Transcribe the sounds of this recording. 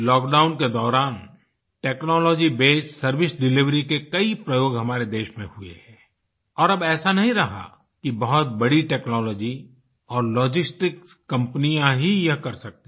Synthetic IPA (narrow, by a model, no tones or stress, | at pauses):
lɔːkɖaːʊnked̪ɔːɾaːn | ʈeːknɔːlɔːd͡ʒibeːt͡ʃsɐɾʋɪsɖɪlɪʋɾikekɐipɾɐjoːɡɦɐmaːɾed̪eːʃmẽhuḛɦɛ̃ː | ɔːɾɐbɛːsanɐɦĩɾɐɦa̰ | kibɐɦʊt̪̚bɐɽiʈɛːknɔːlɔːd͡ʒi | ɔːɾlɔːd͡ʒɪsʈɪkkːɐ̃mpnijãɦijɐɦkɐɾsɐk̚t̪e